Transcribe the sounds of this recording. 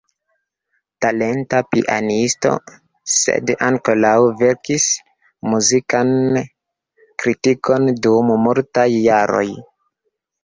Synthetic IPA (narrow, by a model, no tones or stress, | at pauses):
tale̞ntapḭʔa̰nisto̞̰ | se̞̰daŋkolawve̞ɾkis | muzikan | kɾitiko̞ndummuɾtajːaɾo̞̰j